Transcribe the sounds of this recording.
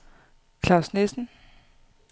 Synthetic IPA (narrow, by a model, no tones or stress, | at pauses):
kʰlɑ̈ʊsnesn̩